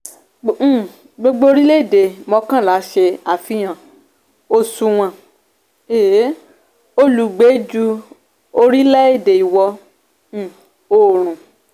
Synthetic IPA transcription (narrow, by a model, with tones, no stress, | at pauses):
ɡ͡bo˧ɡ͡bo˦o˦ɾi˦le˦e˦˨de˨mɔ̃˧˦kã˦˨la˨˦ʃe˧a˨fi˧˦j̃ã˨ | o˧su˧w̃ã˧˨ | e˨˦ | o˦lu˨˦ɡ͡be˨˦d͡ʒu˧ | o˧ɾi˦lɛ˦e˦˨de˨i˨wɔ̃˧˦˨ | o˦˨ɾ̃ũ˨